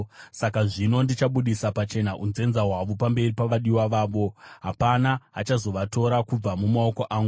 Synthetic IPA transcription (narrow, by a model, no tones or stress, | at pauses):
sakaʐino̞ndit͡ʃaɓuɗisapat͡ʃe̞naʔunze̞nzaɦwaʋo̞pambe̞ripaʋaɗiwaʋaːʋo̞ɦapanaa̰t͡ʃazo̞ʋato̞ɾakub͡vamumao̞ko̞ʔaːŋɡu